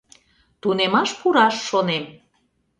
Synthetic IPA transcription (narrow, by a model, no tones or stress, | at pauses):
t̪unemɑʃpuɾɑʃːonem